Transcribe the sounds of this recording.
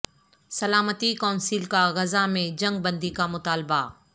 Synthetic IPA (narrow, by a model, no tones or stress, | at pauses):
sɐlaːmət̪ikaːnsiːlkaɣɐzamẽd͡ʒɐ̃ŋɡ̚bɐ̃nd̪ikamʊt̪aːlba